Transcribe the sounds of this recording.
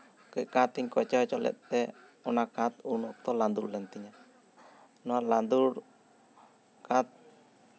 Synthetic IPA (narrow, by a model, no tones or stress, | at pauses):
kəc̚kat̪iɲkɔt͡ʃat͡ʃɔlɛ̰t̪̚ˀt̪ɛ | ɔnakat̪unɔt̪ɔland̪uɾlɛnt̪iɲa | nɔaland̪uɽ | kat̪̚